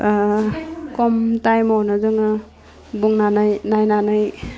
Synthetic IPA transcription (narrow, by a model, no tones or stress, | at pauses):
kɔmtajmɔwnɯzɯŋɯ | buŋnanajnajnanaj